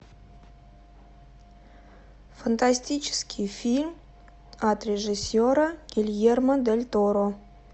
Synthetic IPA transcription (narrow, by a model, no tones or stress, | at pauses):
fant̪asʲtʲit͡ʃɪ̥skʲʰifʲilʲm | at̪rʲeʐɨsʲoɾaɡ̥ʲilʲjerməd̪elʲt̪oɾo